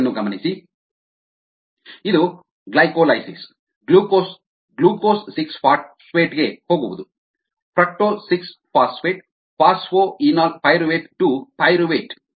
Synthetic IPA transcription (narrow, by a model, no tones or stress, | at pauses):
nːuɡɐmɐnisi | id̪u | ɡlɐjkoːlɐjsis | ɡluːkos | ɡluːkoːsːikspʰaːɾʈsʋeːʈɡeːhoːɡuʋud̪u | pɾɐk̚ʈoːlsikspʰaːsʋeːʈ̚ | pʰaːsfoːinaːlpɐjɾuʋeːʈʈupɐjɾuʋeːʈ